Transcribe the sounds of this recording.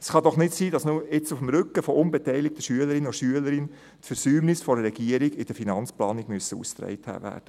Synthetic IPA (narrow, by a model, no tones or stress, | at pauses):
sχɑdɔχnɪtsiːdɑsnʊɪt͡sʊfm̩ɾʏkːəfɔʔʊnbɛtɛɪjlɪk̚t̪əʃyələɾɪnoʃyələɾɪn | tfəɾsyːmnɪsfɔɾəɾɛɡiəɾɪɡɪd̥əɾfinɑnt͡splɑːnɪɡmyəsəṵst̪ɾɛ̰ɪthæ̰ːvæ̰ːɾd̥ə